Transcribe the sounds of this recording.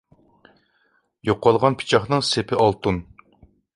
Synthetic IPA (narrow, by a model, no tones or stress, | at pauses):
joqːɑlˠʁɑnpʰi̥t͡ʃʰɑχnɨŋsepʰɪʔɑlˠt̪un